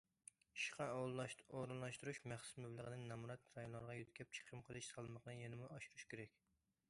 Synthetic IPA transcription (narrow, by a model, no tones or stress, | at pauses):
iʃqʰɑlˠoɾɨnlˠɑʃt̪uɾuʃmæχsʊ̥smæblˠəʁənɪnnɛmuɾɑt̪ɾɑjonlːˠɑɾʁɑjyt̪̚kʲʰɛp̚t͡ʃʰə̥qʰəmqʰəlˠɨʃsɑlˠmɑqnɨjenɪmuʔɑʃuɾuʃkʲʰeɾɛkʲ